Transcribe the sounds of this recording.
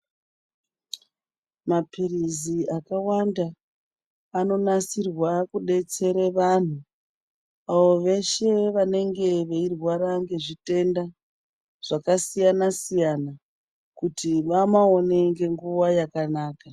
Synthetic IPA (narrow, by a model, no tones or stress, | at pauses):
mapʰiriziakawandaː | no̞nasirwakuɗe̞t͡se̞ɾeʋan̤u | aʋo̞ʋe̞ʃe̞ʋane̞ŋɡe̞ʋeirwaɾaŋɡe̞ʐite̞nda | ʐ̥akasijanasijana | kutiʋamao̞ne̞ŋɡe̞ŋɡuʋajakanaːka